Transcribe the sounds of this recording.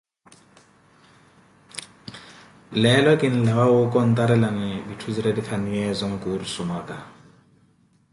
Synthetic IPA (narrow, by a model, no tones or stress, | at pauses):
lɛlɔkʼɪn̩lawaʊkʼɔn̩t̪ʼaɾɛlaŋɛbitʰud͡ziɾadifʰaniɛzɔŋ̩kʼurisʊmaːkʼa